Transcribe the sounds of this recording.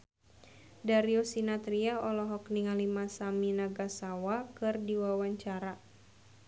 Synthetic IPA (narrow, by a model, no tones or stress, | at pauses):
daɾiosinat̪ɾiaɔlɔɦɔkniŋalimasaminaɡasawakɨrdiwawaɲt͡ʃaɾa